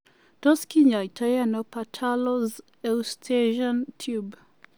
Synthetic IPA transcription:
tɔskiɲaitʰajanɔpatʰalɔz | ɛwstʰeʒɔntʰjub

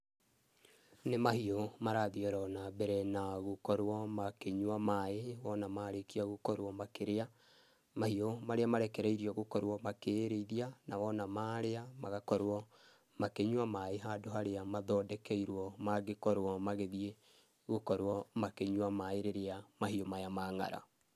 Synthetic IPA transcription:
nemahiomaɾaðiɔɾɔnabɛɾɛnaɣokɔɾwɔmakeɲwamaewɔnamaɾekiaɣokɔɾwɔmakeɾea | mahiomaɾeamaɾɛkɛɾɛiɾiɔɣokɔɾwɔmakeɾeiðianawɔnamaɾeamaɣakɔɾwɔ | makeɲwamaeɦadoɦaɾeamaðɔdɛkɛiɾwɔmaɡekɔɾwɔmaɣeðie | ɣokɔɾwɔmakeɲwamaeɾeɾeamaɦiomajamaŋa̰ɾa̰

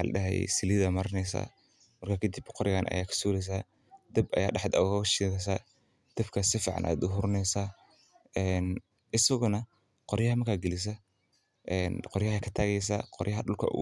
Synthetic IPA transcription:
lɐ̰ɗɐ̰ɦɛ̰j̰sɪlɪðɐmɐɾɐnɛjsa̰ | mɐrkʰakʰɐd̪ibqɔɾɪɣaːnʔɐ̰jaːkʰɐ̥suːɾɛjs̬aː | d̪̥ɐbʔɐ̰ja̰ːɖɐħd̪ɐ̰ɣʃiːɣɛs̬aː | d̪̥ɐbkʰɐsɪfḭːʕɑ̰nʔa̰ːd̪ʊɦʊɾʊnɛjsa | ɛːn | ʔɪsɐɣʊnɐ | qɔɾjɐɦɐmɐrkʰaːɡɛlɪs̬ɐ | ʔɛːnqɔɾjɐhɐkʰɐt̪ʰaːɣɛjs̬a̰qɔɾjɐɦɐɗʊlkʰɐ̰

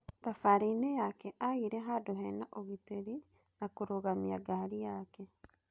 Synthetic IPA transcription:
t̪afaɾinejakɛʔaɣiɾɛɦadoɦɛnaʔoɣiteɾi | nakoɾoɣamia̰ɡaɾijaːkɛ

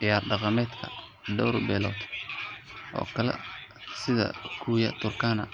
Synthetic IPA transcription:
ɪjaːrɖɑqɑmɛːd̪kʰɐ̰ | ɖɔwɾbɛːlɔ̰ːt̪ʰ | ʔɔ̰ːkʰɐlɛ̰sɪðɐ̰kʰuːjɐ̰t̪ʰʊrkʰaːnɐ̰

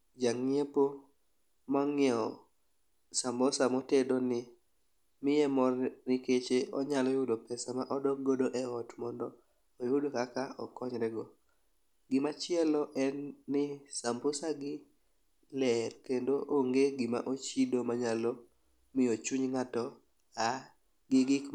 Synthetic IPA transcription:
d͡ʒaŋepo | mɔŋɔ | sambosamɔtedonɪ | mɪɛmɔrnɪket͡ʃeɔɲalɔjʊdopɛsamaʔɔdɔk̚ɡodoʔɛɔtmɔndɔː | jʊdokakaɔ̰kɔɲɾɛɡɔ | ɡɪmat͡ʃɪɛlɔʔɛnːɪsambosaɡɪ | lɛrkendoʔoŋɡeɡɪma̰ʔot͡ʃidomaɲalɔ | mɪjot͡ʃuɲŋatɔ | a | ɡɪɡɪk

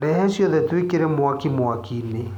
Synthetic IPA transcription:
ɾɛɦɛsjɔðɛtwekeɾɛmwakimwakine

